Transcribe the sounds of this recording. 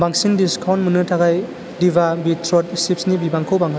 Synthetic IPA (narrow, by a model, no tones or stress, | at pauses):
baŋsindiskʰawnmɯnɯtʰaɡaj | dibabitʰɾɔtsip̚snibibaŋkʰowbaŋɦ